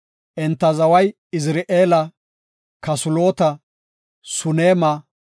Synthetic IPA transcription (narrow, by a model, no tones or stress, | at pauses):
ʔɛnt̪ːɐzɐwɐj | ɪs̬ɾeʔeːlɐ | kɐsʊloːt̪ɐ | sʊneːmɐ